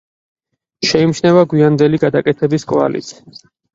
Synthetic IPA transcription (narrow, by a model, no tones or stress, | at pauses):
ʃɛimʃnɛvaɡwiand̪ɛliɡad̪akʼɛt̪ʰɛbiskʼva̰lḭt̪sʰ